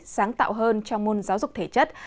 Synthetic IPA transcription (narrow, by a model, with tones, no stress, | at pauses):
saː˨˦ŋt̪a̰ː˧˨wɦəː˧nt͡ɕɔ˧wŋ͡mmo˧nzaː˨˦wzʊ˨˩k͡p̚t̪ʰe˧˩t͡ɕə˦˥t̚